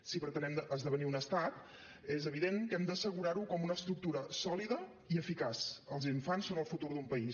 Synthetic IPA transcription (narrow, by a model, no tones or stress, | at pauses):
sipɾət̪ənɛməzðəβ̞əniunəst̪at̪ | ezəβiðeŋkɛmd̪əsəɣ̞uɾaɾukɔmunəːst̪ɾuk̚t̪uɾəsɔliðə | iəfikasəlˠziɱfansːonəlˠfut̪uɾðumpəis